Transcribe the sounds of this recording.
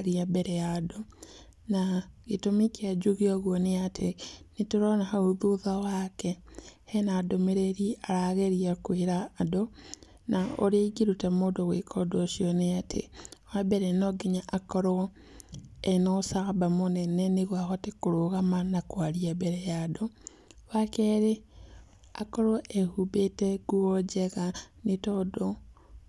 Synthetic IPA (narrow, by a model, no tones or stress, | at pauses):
ɾiabeɾejado | naɣitomikead͡ʒuɣioɣwoneatʰenituɾonahauðuðawakehenaːdomeɾeɾiaɾaɣeɾiakwiɾaːdo | nao̰ɾeiɡiɾutamodoɣḛkʰodoʃioneatʰḛwabeɾenoɡiɲaʔakoɾo | enosaɣabamoneneniβwaxotikuɾuɣamanakwaliebeɾejado | βakeɾe | a̰koɾoʔehubeteɡ̥uod͡ʒeɣanitodo